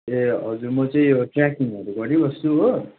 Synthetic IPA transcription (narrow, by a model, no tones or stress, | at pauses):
eɦʌd͡zurmʌt͡sʌĩʈrakiŋʌɾuɡʌɾibʌst̪uɦo